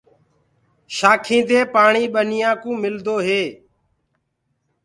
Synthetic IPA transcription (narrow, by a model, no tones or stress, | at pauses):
ʃaːkʰĩːd̪eːpaːɳiːɓənɪjãːkũːmɪld̪oːɦeː